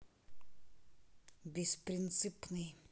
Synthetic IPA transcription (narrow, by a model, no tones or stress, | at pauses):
bʲespɾʲɪnt̪sɨpnɨj